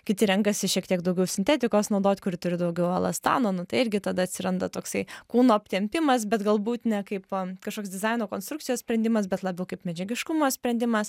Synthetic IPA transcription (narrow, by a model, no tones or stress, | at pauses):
kʲɪt̪ʲɪɾʲɛŋkɐsʲɪʃʲiɛkt̪ʲiɛkd̪ɐʊɡʲɛʊsʲɪnʲt̪ʲɛt̪ʲɪkoːsnɒʊd̪oːt̪ʲkʊɾʲɪt̪ʊɾʲɪd̪ɐʊɡʲɛʋʊɐ̰lˠɐst̪ɑ̰ːnoːnʊt̪ɐɪɪɾʲɡʲɪt̪ɐd̪ɐɐt̪ʲsʲɪɾɐnd̪ɐt̪oːksɐɪkuːnoːɐpʲt̪ʲɛmʲpʲɪmɐsbʲɛt̪ɡɐlˠbuːt̪nʲɛkɐɪpkɐʃkoːksd̪ʲɪzɐɪnoːkoːnst̪ɾʊk̚tt͡sʲɪjoːsʲpʲɾʲɛnʲd̪ʲɪmɐs̬bʲɛt̪lˠɐbʲɛʊkɐɪpmʲɛd͡ʒʲɛɡʲɪʃkʊmoːsʲpʲɾʲɛnʲd̪ʲɪmɐs